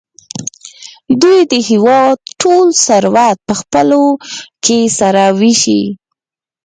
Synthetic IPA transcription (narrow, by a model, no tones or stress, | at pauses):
d̪ujd̪əhɪwɑd̪̚ʈolsaɾwat̪̚pəxpəlokesaɾawiʃḭ